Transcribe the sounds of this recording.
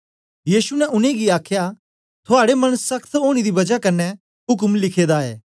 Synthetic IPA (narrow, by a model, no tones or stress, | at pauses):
jiːsunɛʔʊneɡiaːkʰja | t̪ʰʊaːɽemɐɽ̃əsːɐkʰt̪ɦoːɽ̃id̪ibɐd͡ʒakɐnɛ | ɦʊk̬mlɪkʰeːd̪aḛː